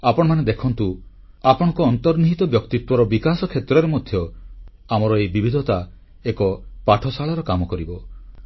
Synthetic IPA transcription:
apɔɽ̃ɔmaned̪ekʰɔnt̪u | apɔɽ̃ɔ̃ŋkɔːnt̪ɔɾniɦit̪ɔbjɔkt̪it̪wɔɾɔbikasɔkʰet̪ɾɔɾemɔd̪ʱjɔ | amɔɾɔebibʱid̪ʱɔt̪a | ekɔpaʈʰɔsaɭɔɾɔkamɔkɔɾibɔ

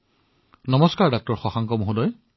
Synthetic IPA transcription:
nɔmɔskaɹdak̚tɔɹxɔxaŋkɔmoɦudɔj

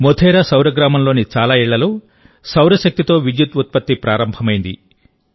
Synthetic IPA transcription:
mot̪ʰɛːɾasɐwɾɐɡɾaːmɐmlo̞ːnit͡ʃaːlaːiɭːɐluː | sɐwɾɐʃɐk̚t̪it̪o̞ːʋid͡ʒjut̪ut̪̚pɐt̪ːipɾaːɾɐmbʱɐmɐjnd̪i

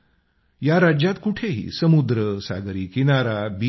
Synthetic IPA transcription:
jaɾad͡ʑjat̪kuʈʰeɦḭːsəmud̪ɾəsa̰ɡɾiːkinaɾabi

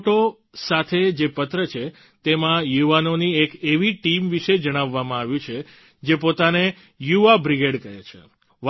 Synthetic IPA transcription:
ʈo | sat̪ʰed͡ʒepət̪ɾət͡ʃʰe | t̪emãjuʋanoniekeʋiʈimʋiʃed͡ʒəɽ̃aʋːamãaʋjũt͡ʃʰe | d͡ʒepot̪ane | juʋabɾiɡeɖkəjḛt͡ʃʰḛ | ʋ

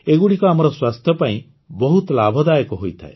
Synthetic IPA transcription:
eɡuɽikɔamɔɾɔswast̪ʰjɔpaĩ | bɔɦut̪labʱɔd̪ajɔkɔɦojt̪ʰa̰e

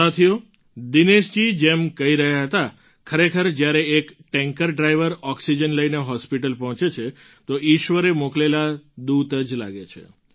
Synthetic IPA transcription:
at̪ʰijo | d̪ineʃd͡ʒid͡ʒemkəiɾəɦjaɦət̪a | kʰəɾekʰəɾd͡ʒjaɾeekʈɛ̃ŋkəɾɖɾajʋəɾɔksid͡ʒənləijneɦɔspiʈəlpɔɦɔ̃t͡ʃet͡ʃʰe | t̪oiʃʋəɾemoklelad̪ud̪əd͡ʒla̰ɡet͡ʃʰḛ

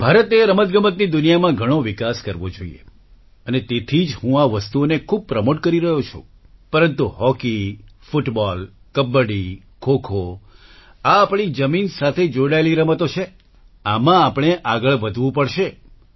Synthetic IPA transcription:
b̥ʱaɾət̪eɾəmət̪ɡəmət̪nid̪unijamãɡʱəɽ̃oʋɪkaskəɾʋod͡ʒo̰ḭḛ | ənet̪et̪ʰid͡ʒɦũaʋəst̪uonekʰub̚pɾəmoʈkəɾiɾəɦjot͡ʃʰṵ̃ | pəɾənt̪uɦɔkifuʈbɔl | kəbːəɽi | kʰokʰo | aːpɳ̃id͡ʒəminsat̪ʰed͡ʒoɽaeliɾəmət̪ot͡ʃʰe | amãːpɽ̃eʔaɡəɭʋəd̪ʱʋũpəɭʃe

